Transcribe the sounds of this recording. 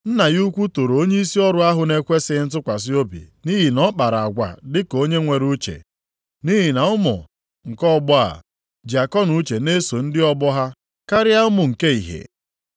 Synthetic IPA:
n̩˦na˨ɣu˦kʷu˦to˨ɾo˨o˦ɲe˦i˦si˦ɔ˦ɾʊ˨a˦ɦʊ˨ne˦kʷe˦sɪ˦n̩˦tʊ˦kʷa˨s̬ɪ˦o˦bḭ˨ni˦ɦi˨nɔ˦k͡pa˨ɾa˨a˨ɡʷa̰˨dɪ˦ko˦ɲe˦ŋʷe˨ɾu˦t͡ʃḛ˨ | ni˦ɦi˨na˨ʊ˦mʊ̰˨ | ŋ̩˨kɔ˦bɔ˦a̰˨ | d͡ʒa˨kɔ˦nu˦t͡ʃe˨ne˦so˨n̩˦dɪ˦ɔ˦bɔ˦ɦa˦ | ka˦ɾɪ˦a˦ʊ˦mʊ˨ŋ̩˨ke˦i˨ɦḛ˨

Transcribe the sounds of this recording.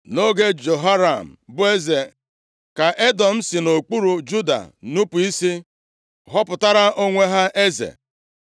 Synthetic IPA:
no˦ɡe˦d͡ʒo˨ɦa˦ɾa˨m̩˨bʊ˦e˦ze˨ | ka˨ʔe˦dɔ˨m̩˦si˨no˨k͡pu˦ɾu˨d͡ʒu˦da̰˨nu˦pʊ˨i˦si˦ | ɦɔ˦pʊ˨ta˦ɾa˦ʔo˦ŋʷe˦ɦa˦ʔe˦zḛ˨

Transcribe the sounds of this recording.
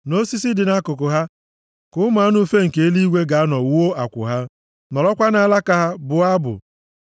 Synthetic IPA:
no˦si˦s̬ɪ˦dɪ˨na˦kʊ˨k̬ʊ˨ɦa˦ | kʊ˦m˦a˨˦nʊ˦fe˦ŋ̩˨ke˨e˦li˦i˦ɡʷe˦ɡa˨a˦nɔ˨wo˦a˨kʷʊ̰˨ɦa˦ | nɔ˨lɔ˦kʷa˦na˨˦la˦ka˦ɦa˦bʊ˨a˦bʊ̰˨

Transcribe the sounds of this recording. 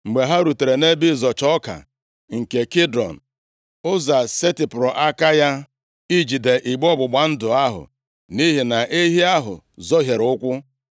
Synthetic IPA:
ŋ͡m̩˨ɡ͡be˨ɦa˦ɾu˨te˨ɾe˨ne˦bi˦˨zɔ˨t͡ʃɔ˦ka̰˨ | ŋ̩˨ke˨ki˦dɾɔ̰˨n̩˨ | ʊ˦za˨se˦ti˨pʊ˨ɾɔ˨ʔa˦ka˦ja˦ | i˦d͡ʒi˨de˨ʔi˨ɡ͡bɔ˦bʊ˨ɡ͡ba˨n̩˦dʊ˨a˦ɦʊ̰˨ | ni˦ɦi˨na˨ʔe˦ɦi˦a˦ɦʊ̰˨ | zɔ˦ɦje˨ɾʊ˦kʷʊ˦

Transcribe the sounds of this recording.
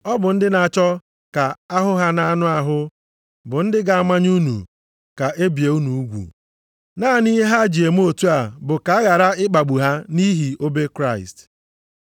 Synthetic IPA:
ɔ˦bʊ˨n̩˦dɪ˦na˨t͡ʃɔ˦ | ka˨a˦ɦʊ˦ɦa˦na˦nʊ˦a˦ɦʊ˦ | bʊ˨n̩˦dɪ˦ɡa˨a˨ma˦ɲ˦u˦nṵ˨ | ka˨ʔe˦bi˨e˨u˦nu˨u˦ɡʷṵ˨ | naː˦˨ni˦ɦa˦d͡ʒi˨e˨m˦o˦tu˦a˨bʊ˨ka˨a˦ɣa˨ɾa˦ɪ˦k͡pa˨ɡ͡bu˨ɦa˦ni˦ɦi˨o˦be˦kɾa˦˨ɪ̰˨st

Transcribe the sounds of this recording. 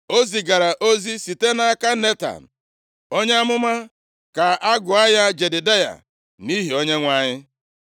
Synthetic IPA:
o˦zi˨ɡa˨ɾa˨ʔo˦zi˦si˨te˦na˨˦˨ka˦ne˦ta̰˨n̩˨ | o˦ɲ˦a˦mʊ˦ma˦ | ka˨a˦ɡʊ˨a˦ja˦d͡ʒe˨dɪ˨da˦ja̰˨ | ni˦ɦi˨o˦ɲe˦ŋʷa˦ɲɪ˦

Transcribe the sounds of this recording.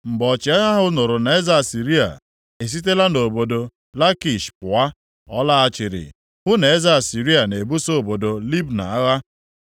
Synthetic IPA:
m̩˨ɡ͡bɔ˨t͡ʃɪ˨˦a˦ɣa˦ɦʊ˦nʊ˨ɾʊ˨na˨e˦za˦˨si˨ɾi˦a̰˨ | e˨s̬i˦t̬e˦la˦no˨bo˨do˨ | la˦ki˨ʃpʊ˨a˦ | ɔ˦la˦a˦t͡ʃɪ˨ɾɪ̰˨ | ɦʊ˦ne˨e˦za˦a˨si˨ɾi˦a˨ne˨bu˦so˦o˨bo˨do˨li˦bna̰˨a˦ɣa˦

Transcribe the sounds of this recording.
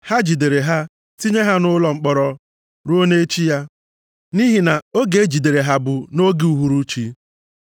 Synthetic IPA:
ha˦d͡ʒi˨de˨ɾe˨ɦa˦ | ti˦ɲe˦ɦa˦nʊ˦lɔ˨ŋ͡m̩˨k͡pɔ˨ɾɔ˨ | ɾu˦o˦ne˦t͡ʃi˦ja˦ | ni˦ɦi˨na˨o˦ɡe˨˦d͡ʒi˨de˨ɾe˨ɦa˨bʊ˨no˦ɡi˦u˨ɦu˦ɾu˦t͡ʃi˦

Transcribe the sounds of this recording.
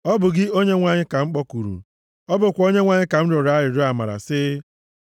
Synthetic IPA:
ɔ˦bʊ˨ɡɪ˦o˦ɲe˦ŋʷa˦ɲɪ˦ka˨ŋ͡m̩˦k͡pɔ˦ku˨ɾṵ˨ | ɔ˦bʊ˨kʷo˦ɲe˦ŋʷa˦ɲɪ˦ka˨m̩˦ɾʊ˨ɾa˦ɾɪ˨ɾʊ˦a˨ma̰˨ɾa̰˨sɪ˦

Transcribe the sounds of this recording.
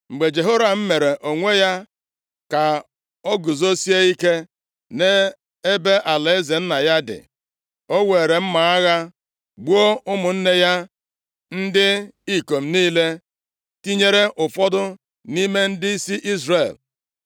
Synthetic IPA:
ŋ͡m̩˨ɡ͡be˨d͡ʒe˨ɦo˦ɾa˨m̩˦me˨ɾe˨ʔo˨ŋʷe˦ja˦ | ka˨ | ɔ˦ɡʊ˨zo˦si˦e˦i˦ke˦ | ne˦ | e˦be˦ʔa˨le˨e˦ze˨n̩˦na˨ja˦dɪ̰˨ | o˦we˨ɾe˨m̩˦ma˨a˦ɣa˦ | ɡ͡bu˦o˦ʊ˦mʊ˨n̩˦ne˦ja˦ | n̩˦dɪ˦i˦ko˨m̩˦niː˦le˦ | ti˦ɲe˦ɾe˦ʔʊ˨fɔ˦dʊ˦ | ni˦me˦n̩˦dɪ˦i˦si˦ʔi˦zre˨l

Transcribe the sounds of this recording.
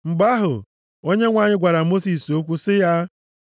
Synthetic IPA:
ŋ͡m̩˨ɡ͡ba˦ɦʊ̰˨ | o˦ɲe˦ŋʷa˨ɲɪ˦ɡʷa˨ɾa˨mo˦si˨so˦kʷu˦sɪ˦ja˦

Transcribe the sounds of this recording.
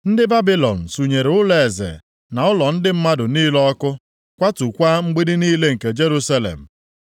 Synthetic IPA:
n̩˦dɪ˦ba˦bi˦lɔ̰˨n̩˨su˨ɲe˨ɾʊ˦le˨zḛ˨ | na˨ʊ˦lɔ˨n̩˦dɪ˦m̩˦ma˦dʊ˨niː˦lɔ˦kʊ˦ | kʷa˦tu˨kʷa˦ŋ͡m̩˦ɡ͡bi˦dɪ˦niː˦le˦ŋ̩˨ke˨d͡ʒe˦ɾu˦sa˦lḛ˨m̩˨

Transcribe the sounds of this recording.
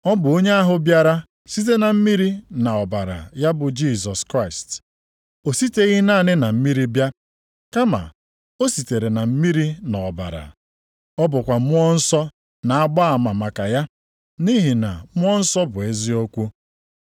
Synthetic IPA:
ɔ˦bʊ˨o˦ɲe˦a˦ɦʊ˦bja˦ɾa˦ | si˦t̬e˦na˨m̩˦mi˦ɾi˦na˨ɔ˨ba˨ɾa̰˨ja˦bʊ˨d͡ʒi˦˨zɔ˨skɾa˦˨ɪ˨st | o˨si˦te˦ɣi˦naː˦˨nɪ˦na˨m̩˦mi˦ɾi˦bja˦ | ka˦ma̰˨ | o˦si˨te˨ɾe˨na˨m̩˦mi˦ɾi˦na˨ɔ˨ba̰˨ɾa̰˨ | ɔ˦bʊ˨kʷa˨˦ɔ˦n̩˦sɔ˦ | na˨a˦ɡ͡ba˦a˨ma˨ma˨ka˨ja˦ | ni˦ɦi˨na̰˨m̩˦ɔ˦n̩˦sɔ˦bʊ˨e˦zi˦o˦kʷu˦

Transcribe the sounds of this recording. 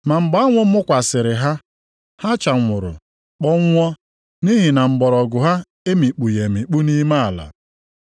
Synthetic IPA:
ma˨m̩˨ɡ͡ba˨˦ŋʷʊ˦m̩˦mʊ˦kʷa˨sɪ˨ɾɪ˨ɦa˦ | ha˦t͡ʃa˨ŋʷʊ˨ɾʊ̰˨ | k͡pɔ˦ŋ̩˦ŋʷɔ˦ | ni˦ɦi˨na˨m̩˨bɔ˨ɾɔ˨ɡʊ˨ɦa˦ | e˦mi˨k͡pu˨je˨mi˨k͡pu˦ni˦ma˦a˨la̰˨

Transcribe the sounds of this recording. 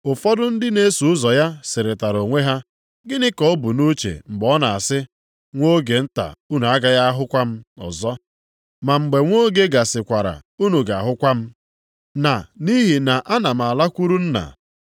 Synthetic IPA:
ʊ˨fɔ˦dʊ˦n̩˦dɪ˦ne˦su˨ʊ˦zɔ˨ja˦sɪ˨ɾɪ˨ta˨ɾo˨ŋʷe˦ɦa˦ | ɡɪ˦nɪ˦kɔ˦bu˨nu˦t͡ʃḛ˨m̩˨ɡ͡bɔ˦na˨a˨sɪ˦ | ŋʷo˦ɡe˨n̩˦ta̰˨u˦nu˨a˦ɡa˦ja˦ɦʊ˦kʷa˦m̩˦ɔ̰˨zɔ˦ | ma˨ŋ͡m̩˨ɡ͡be˨ŋʷo˦ɡe˦ɡa˨sɪ˨kʷa˨ɾa̰˨u˦nu˨ɡa˨a˨ɦʊ˦kʷa˦m̩˦ | na˨ni˦ɦi˨na˨ʔa˦na˨m̩˨a˨la˦kʷu˦ɾu˦n̩˦na̰˨

